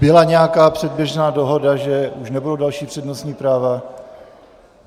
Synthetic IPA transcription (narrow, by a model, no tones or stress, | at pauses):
bɪlaɲɛjakaːpr̝̥ɛd̚bjɛʒnaːdo̞ɦo̞daʒɛuʃnɛbudodalʃiːpr̥ɛdnosɲiːpɾaːva